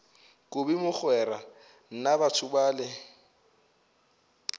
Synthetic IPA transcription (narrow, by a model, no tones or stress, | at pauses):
kʼʊbimʊk͡xʰwɛra | n̩nabatʰʊbaːlɪ